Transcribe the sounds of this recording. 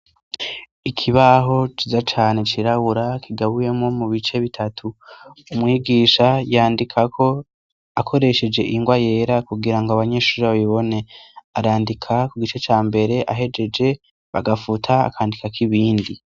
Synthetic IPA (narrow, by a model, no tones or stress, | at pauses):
ikʰiβaɦo̞t͡ʃizat͡ʃaːne̞t͡ʃiɾaβuɾakiɡaβuje̞mŋo̞muβit͡ʃe̞βitʰatʰuumŋiːɡiʃajaːndikʰakʰo̞ | akʰo̞ɾe̞ʃe̞d͡ʒe̞ʔiŋɡwaje̞ɾakuɡiɾaŋɡoaβaɲe̞ːʃuːɾeβaβiβo̞ne̞aɾaːndikʰakuɡit͡ʃe̞t͡ʃaːmbe̞ɾe̞ʔaɦe̞d͡ʒe̞d͡ʒe̞ | βa̰ɡafutʰa̰ːkʰaːndikakiβiːndi